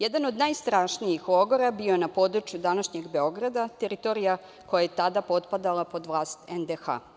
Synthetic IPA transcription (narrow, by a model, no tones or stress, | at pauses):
jed̪ano̞d̪najst̪ɾaːʃnijixoɡoɾabiojenapo̞d̪ɾut͡ʃjud̪anaʃɲeɡbe̞o̞ɡɾad̪at̪eɾit̪o̞ɾija | ko̞jajet̪ad̪apo̞t̪pad̪alˠapo̞d̪ʋlˠaːst̪end̪exa̰